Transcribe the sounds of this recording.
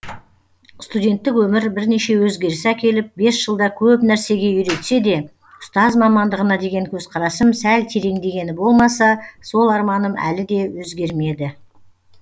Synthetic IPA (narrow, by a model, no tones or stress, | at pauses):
st̪udʲe̞nt̪ːɪkwɵmɪɾbɪɾne̞ʃe̞wɵzɡʲe̞ɾsækʲe̞lɪp̚be̞sʒəlˠd̪ɑkʲʰɵpnæɾse̞ɡʲe̞ʏɾe̞t̪se̞d̪e̞ | ʊ̥st̪ɑzmɑmɑnd̪əʁənɑd̪e̞ɡʲe̞ŋkʲʰɵzqʰɑɾɑsəmsælt̪ʰe̞ɾe̞ŋd̪e̞ɡʲe̞nɪbo̞lˠmɑsɑso̞lˠɑɾmɑnəmæ̰lɪd̪e̞wɵzɡʲe̞ɾme̞d̪ɪ